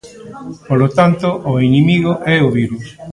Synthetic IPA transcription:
polot̪ant̪oʔoinimiɣoʔɛoβiɾus

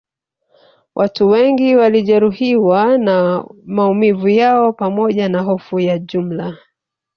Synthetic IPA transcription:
wʔatuwɛŋɡiwaliʄɛɾuhiwanamaumivujaɔpamɔʄanaɦɔfujaʄum̩la

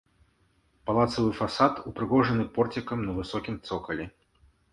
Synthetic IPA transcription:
palˠat̪sɐvɨfasat̪upɾɨɣɔʐɐnɨpɔrt͡sʲikɐmnɐvɨsɔkʲimt̪sɔkɐlʲi

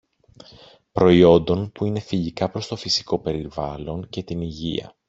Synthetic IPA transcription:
pɾo̞io̞nd̪o̞npuine̞fiʝikɐpɾo̞st̪o̞fisi̥ko̞pe̞ɾivɐlo̞ɲce̞t̪iniʝiɐ̰

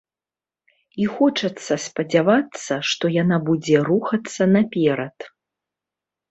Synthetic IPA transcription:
ixɔt͡ʂɐt̪sːɐspɐd͡zʲavat̪sːɐʂt̪ɔjanabud͡zʲɛɾuxɐt̪sːɐnapʲɛɾɐt̪

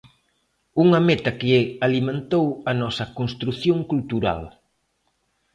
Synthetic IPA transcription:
uŋɐmɛt̪ɐkɪalimẽnt̪owɐnɔsɐkonst̪ɾuθjõŋkult̪uɾa̰l

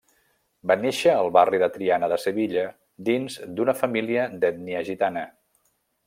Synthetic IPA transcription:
baneʃəːlˠβariðət̪ɾianəðəsəβ̞iʎə | d̪inzd̪unəfəmiliəd̪ɛt̪̚niəʒit̪anə

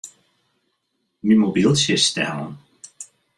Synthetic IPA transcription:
mimobilˠsəstɛ̰lə̰n

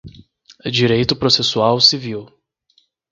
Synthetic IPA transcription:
d͡ʒiɾejt̪ʊpɾosesuawsiviw

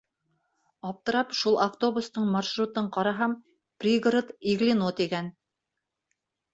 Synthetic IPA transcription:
ɑp̚t̪ɤ̆ɾɑpʃulˠʔaft̪o̞bust̪ɤɴmaʃrut̪ɤɴqɑɾɑɦɑm | prʲiɡrət̪iɡlinot̪iɡæn

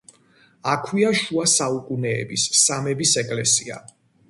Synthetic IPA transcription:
akʰwiaʃuasaukʼunɛɛ̰bisːamɛbisɛkʼlɛsia̰

